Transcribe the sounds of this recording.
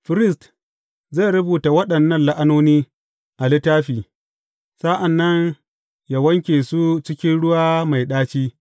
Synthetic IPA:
ɸɪ˦ɾɪ˦st | za˦˨ɾʊ˦buː˨ta˨wɐ˦ɗɐ˨nːɐ˦nla˦ʔa˦noː˦niː˦ | ʔa˨lɪ˦taː˦ɸiː˨ | sa˦ʔa˨nːɐ˦ɲ | ja˨wɐ˦ŋkʲeː˨su˦t͡ʃɪ˦kʲɪ˦nɽʊ˦waː˦ma˨jɗaː˦t͡ʃiː˦

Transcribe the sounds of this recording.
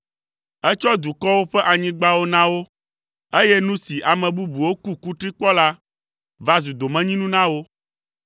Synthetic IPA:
ɛ˦t͡ʃɔ˦d̪u˨kɔ˦wo˦ɸɛ˦ʔa˨ɲĩ˦ɡ͡ba˦wo˦nã˦wo˦ | e˦jɛ˦nũ˦si˨ʔa˨mɛ̃˨bu˦bu˨wo˦ku˦ku˦t̪ɾi˦k͡pɔ˦la˦ | va˦zu˨d̪o˨mɛ̃˦ɲĩ˦nũ˦nã˦wo˦

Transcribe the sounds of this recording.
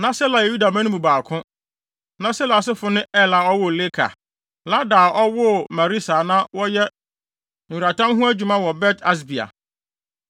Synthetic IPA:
nã˦sɛ˦la˨jɛ˨ju˦da˨mã˦nʊ̃˦mu˨baː˨kʰʊ̃˦ | nã˦sɛ˦la˨sɪ˦fʊ˨nɪ̃˦ɛ˦˨la˨ɔ˦wʊ˦˨le˦kʰa̰˨ | la˦daː˨ʔɔ˦wʊ˦mã˨ɾi˦sa˨nã˦wɔ˦jɛ˦ | n̩˨ɥu˨ɾa˨tʰã˦mɦũ˦æ˦d͡ʑᶣu˨mã˦wɔ˨bɛ˦tʰa˦s̬bi˨a̰˨

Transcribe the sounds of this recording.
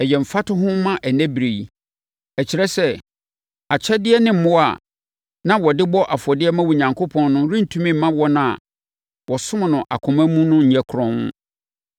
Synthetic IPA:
ɛ˨jɛ˨m̩˨fa˦tʊ˦ɦʊ̃˦mã˦ʔæ˨næ̃˦bɾe˨i˨ | ɛ˨t͡ɕʰi˨ɾɛ˦sɛ˦ | a˨t͡ɕʰɛ˦dɪ˦ɛ˦nɪ̃˦m̩˦˨mʊ̃˦a̰˨ | nã˦wɔ˨dɪ˦bɔ˦ʔa˨fɔ˨dɪ˦ɛ˦mã˦wu˨ɲã˨ŋkʰo˦pʰɔ̃˦nːʊ̃˦ɾĩ˦n̩˨tʰũ˦mĩ˦m̩˨mã˦wɔ˦nã˦˨a̰˨ | wɔ˨sʊ̃˦m˨nʊ̃˨ʔa̰˨kʰʊ̃˨mæ̃˦mũ˦nʊ̃˦ɲ̩˨ɲæ˨kʰʊ˨ɾɔ̃˦ʊ̰̃˦

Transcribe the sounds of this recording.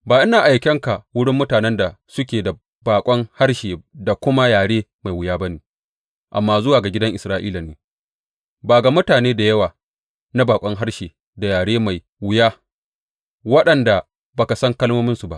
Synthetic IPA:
baː˨ʔɪ˦naː˨ʔa˨jkʲɐ˦ŋka˨wʊ˦ɽɪ˦mːʊ˦taː˨nɛ˦nda˨sʊ˦kʲeː˨da˨ | baː˨kʷʼɔ˦ŋha˦rʃeː˨da˨kʷʊ˦ma˦jaː˨ɽeː˦ma˨jwɪ˦jaː˦ba˦neː˨ | ʔa̰˨mːaː˦zʊ˦waː˨ɡa˨ɡʲɪ˦dɐ˦ŋʔɪ˨sɾaː˦ʔiː˦la˨neː˨ | baː˨ɡa˨mʊ˦taː˨neː˦da˨jɐ˦waː˨ | na˦baː˨kʷʼɔ˦ŋɦa˦ɽʃeː˨ | da˨jaː˨ɽeː˦ma˨j | wɪ˦jaː˦ | wɐ˦ɗɐ˨nda˨ | bɐ˨ka˨sɐ˦ŋkɐ˦lmoː˦mɪ˦nsu˨ba̰˦ʔ

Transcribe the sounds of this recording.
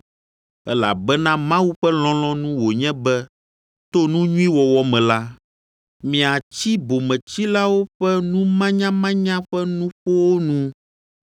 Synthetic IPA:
ɛ˦la̰˨bɛ˦nã˦mã˦wu˦ɸɛ˦l̃ɔ̃˦lɔ̃˦nũ˦wo˨ɲɛ̃˦bɛ˦ | t̪o˦nũ˦ɲũ˦ĩ˦wɔ˨wɔ˨mɛ̃˨la˦ | mĩ˨a˨t͡ɕi˦bo˨mɛ̃˨t͡ɕi˦la˦wo˦ɸɛ˦nũ˦mã˦ɲã˦mã˦ɲã˦ɸɛ˦nũ˦ɸo˦wo˦nũ˦

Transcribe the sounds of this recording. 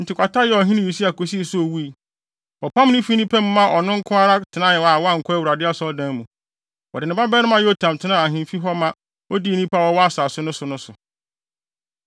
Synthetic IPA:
n̩˨tʰɪ˨kʰʷa˨ta˦jɛ˦˨ɔ˨ɦĩ˦nĩ˦˨i˨si˦a˨kʰo˨s̬i˦˨sʊ˦o˨wu˦i˨ | ɔ˨pʰã˦m˦nɪ̃˦fi˦nĩ˦pʰɛ̃˦mː˦ã˦ʔɔ˨nʊ̃˦ŋ̩˦kʰʊ̃˦a˦ɾa˦tʰɪ˨nã˦jɪ̃˨a˨wɔ˦a˦˨ŋ̩˨kʷʰɔ˦æ˦wu˨ɾa˨dɪ˦a˦sɔ˦dã˦mũ˨ | wɔ˨dɪ˨nɪ̃˨ba˦bɛ˦nɪ̃˦mã˦jɛ˦o˦tʰã˨m˨tʰɪ˦nã˦a˨ɦĩ˨m˦fi˦ɦɔ˦mã˦ | ɔ˦di˦e˨nĩ˦pʰa˦wɔ˦wɔ˦a˨saː˨sʊ˦nʊ̃˦sʊ˨nʊ̃˦sʊ˨

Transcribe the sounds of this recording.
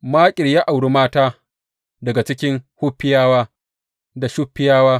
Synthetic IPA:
maː˦kʲʼɪ˨ɽjaː˦ʔa˨wɽi˦maː˦taː˦ | dɐ˨ɡa˨t͡ʃɪ˦kʲɪ˦ŋhʊ˦ɸːɪ˦jaː˦waː˦ | da˨ʃʊ˦ɸːɪ˦jaː˦waː˦

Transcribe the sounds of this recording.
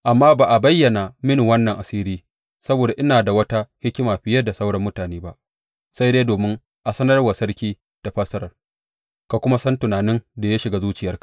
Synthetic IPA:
ʔa˨mːaː˦baː˨ʔa˨bɐ˦jːɐ˨na˨mɪ˦n˨wɐ˦nːɐ˨ŋʔa˨siː˦ɾiː˦ | sɐ˦boː˨da˨ʔɪ˦naː˨da˨wɐ˦ta˦hɪ˦kʲːɪ˦maː˨ɸɪ˦jɐ˦da˨sɐ˦wɽɐ˦mːʊ˦taː˨neː˦ba˦ʔ | sa˦jdeː˦doː˨mɪ˦ŋ | ʔa˨sɐ˦nɐ˦rwa˨sɐ˦rkʲiː˦ | d̥a˨ɸɐ˦sɐ˦ɾɐ˨r | ka˨kʷʊ˦ma˦sɐ˦ntʊ˨naː˨nɪ˦nda˨ja˦ʃɪ˨ɡaː˦zuː˦t͡ʃɪ˨jɐ˦rkḁ˨ʔ

